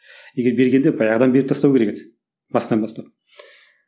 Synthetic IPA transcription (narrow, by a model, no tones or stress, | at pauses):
jeɡʲeɾbe̞ɾɡʲe̞nd̪ebɑjɑʁəd̪ɑnbe̞ɾɪpt̪ɑst̪ɑwkʲʰeɾeket̪ | bɑsd̪ɑnbɑst̪ɑp̚